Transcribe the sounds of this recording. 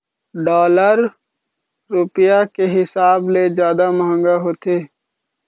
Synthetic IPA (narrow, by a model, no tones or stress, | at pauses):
ɖɔːləɾ | ɾʊpjakeɦɪsaːbled͡ʒjaːd̪aməɦə̃ŋɡaɦoːt̪eː